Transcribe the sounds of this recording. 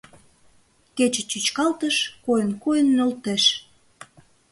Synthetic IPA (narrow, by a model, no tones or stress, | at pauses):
ket͡ɕə̆t͡ɕyt͡ɕkɑlt̪əʃkojənkojənːølt̪eʃ